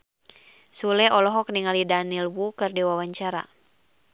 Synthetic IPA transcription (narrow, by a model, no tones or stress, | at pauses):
sulɛʔɔlɔɦɔk̚niŋalidanilwukɨrdiwawaɲt͡ʃaɾa̰